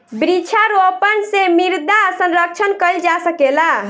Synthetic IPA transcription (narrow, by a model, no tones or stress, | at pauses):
bɾit͡ʃʰaɾoəpənsemiɾd̪asənɾək̚t͡ʃʰənkəld͡ʒasəkela